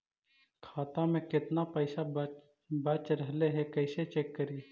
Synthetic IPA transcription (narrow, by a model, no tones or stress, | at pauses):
kʰaːt̪ãmẽkɪt̪napɐɪsa | bɐt͡ʃɾɐɦleɦɛkɐɪset͡ʃeːkːɐɾi